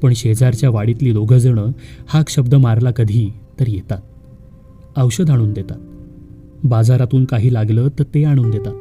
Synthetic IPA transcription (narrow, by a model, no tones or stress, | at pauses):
pəɳɕed͡zaɾt͡ɕjaʋaɽit̪liːd̪oɡʱəd͡zəɳəhakɕəb̚d̪əmaɾlakəd̪ʱiːt̪əɾjet̪at̪̚ | əwɕəd̪ʱaɽ̃uːnd̪et̪at̪̚ | bad͡zaɾat̪uːnkaɦiːlaɡlət̪əɾt̪eaɽ̃uːnd̪et̪at̪